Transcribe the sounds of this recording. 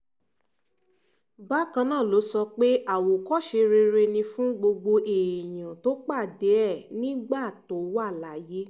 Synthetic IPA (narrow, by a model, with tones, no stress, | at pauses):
ba˦kã˧nãː˦˨lo˨˦sɔ˧k͡pe˦a˦˨wo˨kɔ˦ʃe˧ɾe˧ɾe˧nĩ˧fũ˦ɡ͡bo˧ɡ͡bo˧ʔe˨j̃ã˨to˨˦k͡pa˦˨de˨˦ɛ˦˨nĩ˦ɡ͡ba˦˨to˨˦wa˦˨la˨˦je˨˦